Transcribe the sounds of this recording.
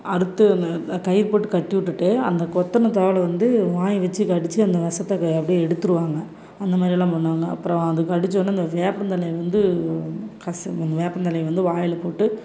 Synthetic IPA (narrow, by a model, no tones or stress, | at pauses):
ɐɾɯt̪ːɯɐnkɐjɪɾpoːʈːɯkɐʈːɯʋɪʈːɯʈːeːɐ̰nd̪ɐkɔt̪ːɐnɐt̪ɐːʋɐlɐʋɐnd̪ɯʋaːjʋɐt͡ʃːɯkɐɽɪt͡ʃːɯɐnd̪ɐʋɐsɐt̪ːɐkɛpːɐɽiɛɽɯt̪ːɯɾɯʋaːŋɡɐ | ɐnd̪ɐmaːd̪ɾɪlãːpɐɳːaːŋɡɐɐ̰pːɯɾɐ̃ɐðɯkːɐɽɪt͡ʃːonːɯɐnd̪ɐʋeːpːɐnt̪ɐlɐjʋɐnd̪ɯ | kɐsnɐʋeːpːɐnt̪ɐlɐjʋɐnd̪ɯʋaːjɐlɐpoːʈːɯ